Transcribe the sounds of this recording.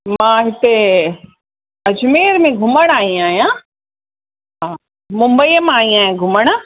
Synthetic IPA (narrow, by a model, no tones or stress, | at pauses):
mãːɦɪt̪e | ɐd͡ʑʊmeːɾmẽɡʱʊməɽ̃aːĩaːɦijã | ɦaː | mʊ̃mbəimaːĩaːijãɡʱʊməɽ̃